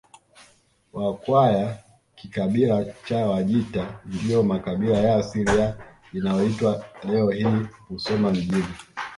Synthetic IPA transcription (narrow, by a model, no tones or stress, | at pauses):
wakwaja | kikaɓilat͡ʃawaʄitandijɔmakaɓilajaːsilia | inajɔitwalɛɔhiːkusɔmaviʄini